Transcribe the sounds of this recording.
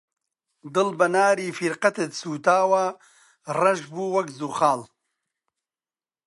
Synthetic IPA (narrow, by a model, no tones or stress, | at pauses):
d̪ɨlbɐnaːɾiːfiɾqɐt̪et̪suːt̪aːwa | rɐʒbuːwɐkzuχaːl